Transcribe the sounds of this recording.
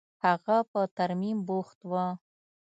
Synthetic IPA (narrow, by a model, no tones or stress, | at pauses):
haɣapət̪aɾmimboxt̪wə